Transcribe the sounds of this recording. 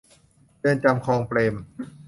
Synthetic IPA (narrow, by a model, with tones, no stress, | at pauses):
jɤː˧˩nt͡ɕa˧mkʰɔː˧ŋpɾeː˧m